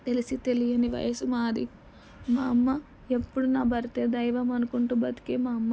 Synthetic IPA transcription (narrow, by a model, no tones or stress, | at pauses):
t̪e̞lisit̪e̞lijɐniʋɐ̰jɐsumaːd̪ḭ | maːmːɐ | epːuɽunaːbɐɾit̪eːd̪ɐjʋɐmɐnukuɳʈuːbɐt̪i̥keːmaːmːɐ